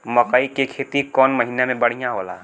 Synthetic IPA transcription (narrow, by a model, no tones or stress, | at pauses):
məkəikekʰet̪ikɔnməɦinamẽbəɽ̤ijãɦola̰